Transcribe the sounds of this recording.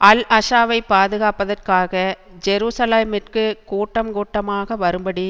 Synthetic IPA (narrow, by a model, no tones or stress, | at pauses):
ʔɐlʔɐʂaːʋɐɪpːaːðɯɣaːpːɐðɐrkaːɣɐ | d͡ʒɛɾuːsɐleːmɪrkɯkuːʈːɐmkuːʈːɐmaːɣɐʋɐɾɯmbɐɽi